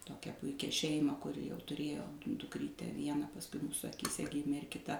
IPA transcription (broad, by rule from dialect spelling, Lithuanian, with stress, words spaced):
ˈtoːkʲæː ˈpʊɪkʲɛ ˈʃʲɛɪmɑː kʊˈrʲɪ jɛʊ tʊˈrʲeːjoː dʊkˈrʲiːtʲæː ˈʋʲiɛnɑː pɐsˈkʊɪ ˈmuːsʊ ɐkʲiːˈsʲɛ ˈɡʲɪmʲeː ɪr kʲɪˈtɐ